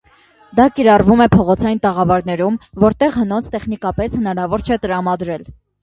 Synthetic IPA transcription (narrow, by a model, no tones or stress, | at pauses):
d̪ɑkiɾɑrvumɛpʰɔʁɔt͡sʰɑjint̪ɑʁɑvɑɾnɛɾumvɔɾt̪ɛʁhənɔnt͡sʰt̪ɛχnikɑpɛshənɑɾɑvɔɾt͡ʃʰɛt̪əɾɑmɑd̪ɾɛl